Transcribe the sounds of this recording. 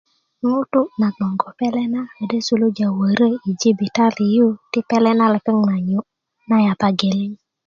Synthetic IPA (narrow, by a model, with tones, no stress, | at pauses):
ŋu˦tʊ˦na˨ɡɔ˨ŋɡɔ˨pɛ˦lɛ˦na˦e˨de˦su˦lo˦d͡ʒa˨wə˨ɾə˦i˨d͡ʒi˦bi˨ta˦li˨ju˦tɪ˦pɛ˦lɛ˦na˦lɛ˨˦pɪ˦ŋŋa˨ɲo˦ | na˦ja˨pa˦ɡe˨lɪ˦ɲ